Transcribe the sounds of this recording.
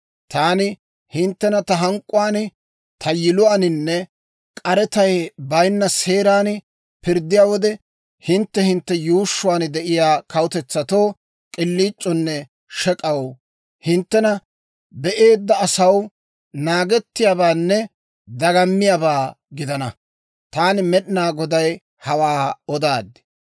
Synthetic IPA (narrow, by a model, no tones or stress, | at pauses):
t̪aːnɪ | hɪnt̪ːɛnɐt̪ɐɦɐŋkʼːʊwaːn | t̪ʰɐjɪlʊwaːnɪnːɛ | kʼɐɾɛt̪ɐjbɐjnːɐse̞ːɾaːn | pɪɾd̪ːɪjaːwɔd̪ɛ | hɪnt̪ːɛhɪnt̪ːɛjuːʃːʊwaːnd̪ɛʔɪjaːkɐwʊt̪ɛt͡sːɐt̪o̞ː | kʼɪlːiːt͡ʃʼːɔnːɛ | ʃɛkʼɐw | hɪnt̪ːɛnɐ | bɛʔe̞ːd̪ːɐːsɐw | naːɡɛt̪ːɪjaːbaːnːɛ | d̪ɐɡɐmːɪjaːbaː | ɡɪd̪ɐnɐ | t̪aːnmɛɗɪnaːɡɔd̪ɐj | hɐwaːɔd̪aːd̪ɪ̥